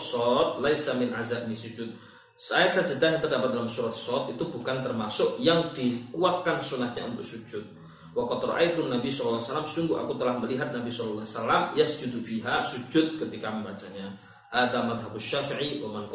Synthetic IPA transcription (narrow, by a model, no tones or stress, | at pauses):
sɔt̪̚lajsamɪnʕazabnisud͡ʒʊt̪̚ | saaɪsad͡ʒadasɲat̪ərdapat̪̚dalamsuɾat̪sɔt̪it̪ubukant̪ərmasʊʔjaŋdikuat̪̚kansunahɲa̰ṵnt̪ʊk̚sud͡ʒʊt̪̚ | wakɑd̪rɑ̰ʔajt̪unːabisɔllːasalamsuŋɡʊa̰kut̪əlahməliɦat̪̚nabisɔllːasalamjasd͡ʒud̪ufiɦasud͡ʒʊt̪̚kət̪ikaməmat͡ʃamɲa | haðamaðɦabaʃːafiʕiwamank